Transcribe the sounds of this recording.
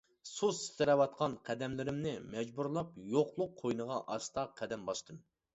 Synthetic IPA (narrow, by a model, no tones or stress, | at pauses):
sust̪ɪɾɛwɑt̪̚qʰɑnqʰɛd̪ɛmlɪɾɪmnɪmɛd͡ʒbuɾlˠɑpjoqlˠʊqʰːojnɨʁɑʔɑst̪ɑqʰɛd̪ɛmbɑʃt̪ʰɨm